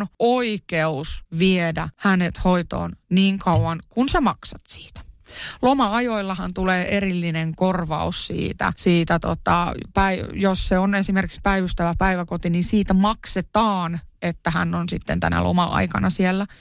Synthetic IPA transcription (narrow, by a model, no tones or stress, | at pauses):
noikeusʋiedæhænet̪hoit̪o̰ːnniːŋkʰɑuwwɑŋkunsemɑksɑt̪si̥ːt̪æ̥lomɑɑjoilːɑhɑnt̪uleːʔerilːineŋkorʋɑ̰ussḭːt̪æ̰siːt̪æt̪o̰t̪ɑ̰pæijosseonesimerkikspæiʋyst̪æʋæpæiʋækot̪ininsiːt̪æmɑkset̪ɑːnet̪ːæhæ̰nːonsit̪ːḛnt̪æ̰næ̰lʔo̰mɑ̰ʔɑ̰ikɑ̰nɑsielːæ